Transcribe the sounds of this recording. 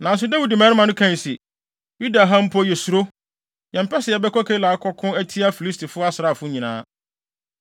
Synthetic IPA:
nã˨n̩˦s̬ʊ˦da˦wi˨di˨mɛ̃ː˦nɪ˦mã˨nʊ̃˦kʰã˦˨si˨ | ju˦da˨ɦã˦m̩˦pʰɔ˦jɛ˨su˨ɾo˦ | jɛ̃˨m̩˨pʰɛ˦sɪ˨ɛ˨bɛ˦kɔ˦kʰe˦laː˨˦kʰɔ˦kʰʊ̃˦æ˦tʰi˦a˦fi˨li˦stʰi˨fʊ˦a˦sɪ˨ɾa˨fʊ˦ɲĩ˨nã̰ː˦

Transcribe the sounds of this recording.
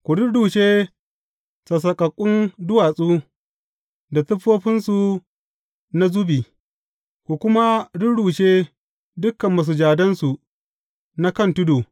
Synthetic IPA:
kʷu˨ɽʊ˦ɽuː˨ʃe˦ | sa˨s̬ɐ˨kʼɐ˨kʼːʊ˦ndʊ˦waː˨sʼuː˦ | da˨tʊ˦ɸoː˦ɸɪ˦nsu˨ | na˦zu˦biː˨ | kʷu˨kʷʊ˦ma˦ɽʊ˦ɽuː˨ʃeː˦ | dʊ˦kːɐ˨mːɐ˨s̬u˨d͡ʒaː˨dɐ˦nsu˨ | na˦kɐ˦˨ntʊ˦doː˨

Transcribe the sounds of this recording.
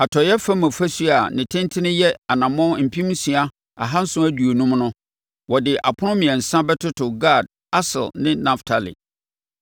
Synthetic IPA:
a˨tʰɔ˨jɛ˦fã˦mã˨fæ˦su˦a˨nɪ̃˨tʰɪ̃˦n˦tʰɪ˦nɪ̃˦jɛ˦a˨nã˨mɔ̃˦m̩˨pʰĩ˦m˦si˨a˦ | a̰˨ɦã˦n̩˦sʊ̃˦æ˦du˨o˨nũ˦mnʊ̃˦ | wɔ˨dɪ˨ʔa̰˨pʰʊ˦nʊ̃˦mĩ˨ɛ̃˨n̩˨sã˦bɛ˦tʰʊ˦tʰʊ˨ɡa˦˨d̚ | a˦sɪ̰˨lnɪ̃˦nã˨ftʰa˨lḭ˨

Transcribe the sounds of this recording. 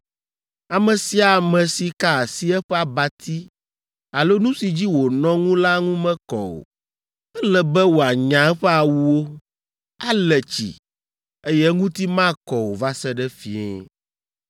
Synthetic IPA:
a˨mɛ̃˨si˦a˨mɛ̃˨si˨ka˦a˨si˦ɛ˦ɸɛ˦a˨ba˨t̪ʰi˦ | a˨lo˦nũ˦si˨d͡ʑi˦wo˨nɔ̃˦ŋũ˦la˦ŋũ˦mɛ̃˦kɔ̰˨o̰˨ | ɛ˦lɛ˨bɛ˦wo˨a˨ɲã˨ɛ˦ɸɛ˦a˨wu˦wo˦ | a˦lɛ˨t͡ɕḭ˨ | e˦jɛ˦ŋũ˦t̪i˦mã˦˨kɔ˨wo˨va˦sɛ˦ɖɛ˦fi˨ɛ̰˦

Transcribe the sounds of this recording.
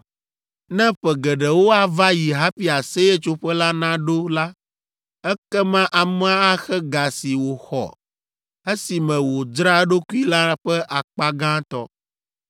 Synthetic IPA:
nɛ̃˦ɸɛ˨ɡɛ˨ɖɛ˨wo˦a˨va˦ji˨ɦa˦ɸi˦a˨se˦jɛ˦t͡ʃo˦ɸɛ˦la˦nã˦ɖo˦la˦ | ɛ˦kɛ˦mã˦ʔa˨mɛ̃˦a˦a˦xɛ˦ɡa˨si˨wo˨xɔ̰˨ | ɛ˦si˨mɛ̃˨wo˨d͡ʒɾa˦ɖo˦ku˦i˦la˦ɸɛ˦ʔa˨k͡pa˦ɡã˦t̪ɔ̰˦

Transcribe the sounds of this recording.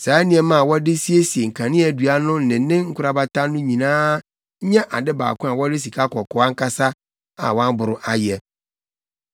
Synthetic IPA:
sa˨˦ɛ˦nɪ̃˨ɛ˨mã˦˨wɔ˦dɪ˦si˦e˦si˨e˨ŋ̩˨kʰã˨nɪ̃˦ɛ˦˨du˨a˦nʊ̃˦n̩˨nɪ̃˨˦nɪ̃˦ŋ̩˦kʰʊ˦ɾa˦ba˨ta˦nʊ̃˦ɲĩ˨nãː˦ | ɲɛ̃˦ʔa˨dɪ˦ba̰ː˨kʊ̃˦a˨wɔ˦dɪ˦s̬i˨kʰa˦kʰɔ˨kʰɔ˨˦a˦ŋ̩˦kʰa˦sa˦ | a̰˨wã˦m˦bʊ˨ɾʊ˦ʔa˦jɛ˨

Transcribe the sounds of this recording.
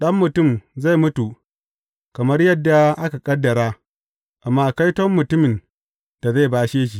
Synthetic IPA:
ɗɐ˦mːʊ˨tʊ˦˨mza˦˨jmʊ˦tu˨ | kɐ˨mɐ˦rjɐ˦dːa˨ʔa˦ka˨kʼɐ˦dːɐ˨ɾaː˦ | ʔa˨mːaː˦˨ka˦jtɔ˦mːʊ˨tʊ˦mɪ˨n | d̥a˨za˦˨baː˦ʃeː˦ʃ̬i˨

